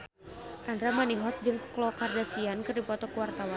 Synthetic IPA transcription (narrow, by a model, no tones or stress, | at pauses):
ʔandɾamaniɦɔt̪̚d͡ʒɨŋkklɔkardasiankɨrdipɔt̪ɔkuwart̪awan